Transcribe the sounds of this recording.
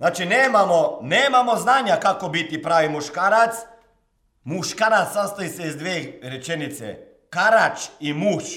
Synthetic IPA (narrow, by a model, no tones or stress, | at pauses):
znaːt͡ʃineːmamoneːmamo̞znaːɲakakobit̪ipɾaːʋimuʃkaːɾat̪s | muʃkaːɾat̪sast̪ajiseizd̪ʋeːɾet͡ʃenit̪sḛ | kaɾat͡ʃimuːʃ